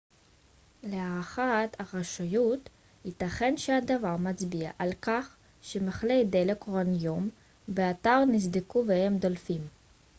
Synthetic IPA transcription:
leaʁaχat̪aʁaʃajut̪ | hit̪aχenʃehad̪avaʁmat͡sbiaʔalkaχ | ʃemeχlejd̪elekʁonjom | beat̪aʁnisd̪ikuvehemd̪olfim

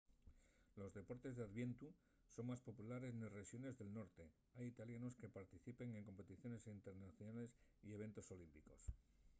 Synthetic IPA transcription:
lo̞zðe̞po̞ɾt̪e̞zðeaðβje̞nt̪u | so̞ŋmaspo̞pulaɾe̞znire̞ʃjo̞ne̞zðe̞lno̞ɾt̪e̞ | ajit̪aljano̞ske̞paɾt̪iθipe̞ŋe̞ŋko̞mpe̞t̪iθjo̞ne̞sint̪e̞ɾnaθjonale̞sie̞βe̞nt̪o̞so̞limpiko̞s

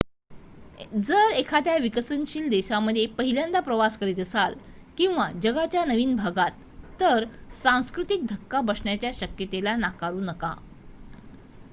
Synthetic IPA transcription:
d͡zəɾekʰat̪jaʋikəsənɕiːld̪eɕaməd̪ʱːjepəɦiljand̪apɾəʋaskəɾiːt̪əsal | kĩw̃ʋad͡ʑəɡat͡ɕjanəʋiːnbʱaɡat̪ː | əɾsãw̃skɾut̪ik̚d̪ʱəkːabəsɳjat͡ɕjaɕəkjət̪elanakaɾuːnəka̰

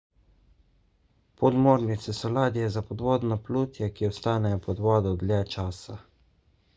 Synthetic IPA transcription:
pɔd̪moːɾnit̪sɛsɔlaːd̪ijɛzapɔd̪ʋɔːd̪napluːt̪jakiɔst̪aːnɛjɔpɔd̪ʋɔːd̪ɔd̪lʲɛt͡ʃaːsa

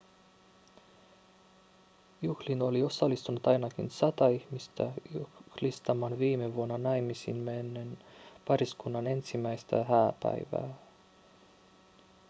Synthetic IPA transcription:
juhlino̞lio̞sɑlːist̪unut̪ɑjnɑkinsɑt̪ɑihmist̪æ̰uhlist̪ɑmɑnʋiːmeʋuonːɑnɑjmisḭnmenːenpɑɾiskunːɑne̞nsimːæjst̪æ̰ɦæːpæ̰jʋæ̰ː

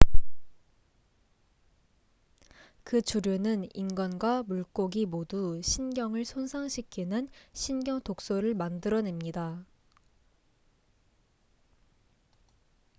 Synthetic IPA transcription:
kɯt͡ɕuɾjonɯnḭnɡʌnɡwamuɭk͈oɡimoduɕʰinɡjʌŋɯɭsʰonsʰaŋɕʰikʰinɯnɕʰinɡjʌŋtok̚s͈oɾɯɭmandɯɾʌnemɲida

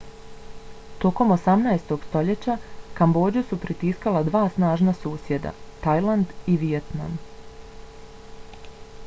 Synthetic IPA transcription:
t̪o̞ko̞mosamnaest̪o̞ɡ̥st̪o̞ʎe̞t͡ɕakambo̞ːd͡ʑusupɾit̪iskalˠad̪ʋaːsnaːʒnasuːsje̞d̪a̰t̪ajlˠand̪iʋijet̪na̰m

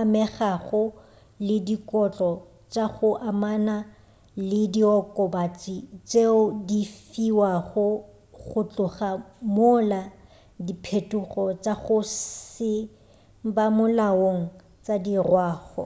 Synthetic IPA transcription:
amɛχaɣʊ | lɪdikɔt͡ɬʼɔ | t͡ʃʼaɣʊʔamana | lɪdiɔkʼɔbat͡sʼit͡sʼeʊdifiwaχʊ | ɣʊt͡ɬʼʊχamʊla | dipʰetʼuχɔt͡ʃaɣʊsɪ | bamʊlaoŋ̩ | t͡sadirwaːχɔ̰

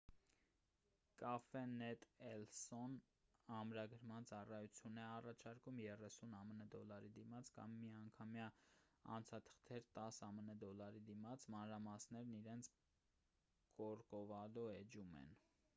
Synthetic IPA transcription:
kɑfɛnɛt̪ɛlsɔn | ɑmɾɑɡəɾmɑnt͡sɑrɑjut͡sʰjunɛɑrɑt͡ʃʰɑɾkumjɛrɛsunɑmənəd̪ɔlɑɾid̪imɑt͡sʰkɑ̰mːiɑŋkʰɑmjɑɑ̰nt͡sʰɑt̪ʰə̥χt̪ʰɛɾt̪ɑsɑmənəd̪ɔlɑɾid̪imɑt͡sʰmɑnɾɑmɑsnɛɾniɾɛnt͡sʰ | kɔɾkɔvɑlɔɛd͡ʒumɛ̰n

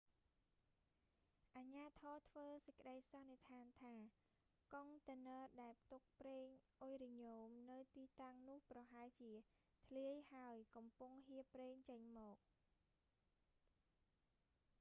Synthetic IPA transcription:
ʔaɲaːt̪ʰɔːt̪ʰʋəːsəc̚kə̆ɗəjsɑnːeət̪ʰaːnt̪ʰaː | koŋt̪ənəːɗaɛlp̚ʰt̪uk̚preːŋʔojriɲoːmnɨwt̪iːt̪aŋnʊ̆əhprɑɦaɛlt͡ɕiə | t̪ʰliəjhaəjkɑmpuŋɦiəpreːŋt͡ɕəɲmɔːk̚

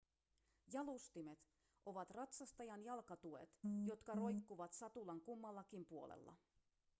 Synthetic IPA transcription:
jɑlust̪ime̞t̪ | ʔo̞ʋɑt̪rɑt̪sɑst̪ɑjɑnjɑlkɑt̪ue̞̰t̪jo̞t̪kɑro̞jkːuʋɑt̪sɑt̪ulɑŋkumːɑlːɑkimpuo̞̰lḛlːɑ̰

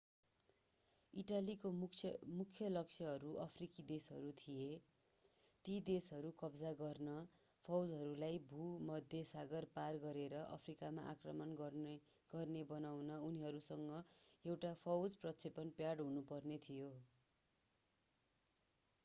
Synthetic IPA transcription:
iʈalikomukʰjʌlʌksʰjʌɦʌɾuʔʌpʰrikid̪esɦʌ̰ɾut̪ʰije | ʈid̪esɦʌɾukʌbd͡zaɡʌrnʌ | pʰʌwd͡zɦʌɾulajbʱumʌd̪ʱjʌsaɡʌrparɡʌɾeɾʌʔʌ̰pʰrikama̰ʔa̰krʌmʌn | ɡ̥ʌrnebʌnawnʌuniɦʌɾusʌŋɡʌewʈapʰʌwd͡zprʌt͡sʰepʌnpjaɽɦunupʌrnet̪ʰijo

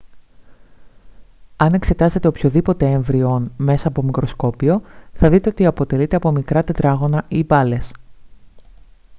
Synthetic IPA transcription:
ɐne̞kse̞t̪ɐze̞t̪eo̞pço̞ðipo̞t̪e̞eɱvɾio̞nme̞sɐːpo̞mikɾosko̞pio̞θɐðit̪e̞o̞t̪iɐpo̞t̪e̞lit̪e̞ɐpo̞mikɾɐt̪e̞t̪ɾɐɣo̞nɐibɐle̞s

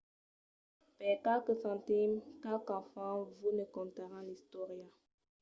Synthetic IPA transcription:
pɛkakəfãtimkakãfãvunəkɔ̃nt̪aʁãlist̪ɔʁja

